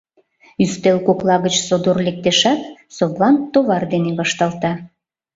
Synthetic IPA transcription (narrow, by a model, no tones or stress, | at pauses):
yst̪elkoklˠɑɣət͡ɕsod̪orlek̚t̪eʃæt̪soβlɑnt̪oβɑrd̪eneβɑʃt̪ɑlt̪ɑ